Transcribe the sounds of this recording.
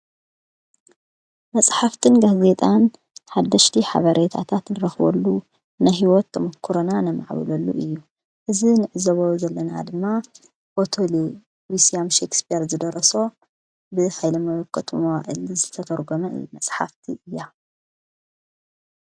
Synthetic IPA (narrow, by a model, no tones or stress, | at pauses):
mɐsʼħaft̪ʰɨnɡaze̞t̪ʼan | ħad̪ːɐʃt̪ʰiħa̰βɐɾʔet̪ʰa̰t̪ʰat̪nɨɾɐxβɐ̰lːu | najɦiwɔt̪ːɐmɐkʰːuɾonanɐma̰ʕβɨ̰lɐlːṵʔɨjːu | ʔɨzinɨʕɨzɐβozɐlːɐna̰d̪ɨmːa | bot̪ʰoli | wisiamʃekspijɾzɨd̪ɐɾɐso̞ | bɨħajlɐmɐwɔkʰːɐt̪ʰumowaʔɨ̰lzɨt̪ʰɐt̪ʰɐɾɡomɐɨ̰jːumɐsʼħa̰ft̪ʰiʔɨjːa